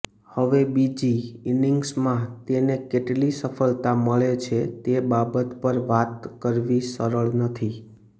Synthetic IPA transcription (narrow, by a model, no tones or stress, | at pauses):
həʋebid͡ʒiiniŋɡsmãt̪enekeʈlisəfəlt̪aməɭet͡ʃʰet̪ebabət̪pəɾʋat̪kəɾʋisəɾəɭnət̪ʰi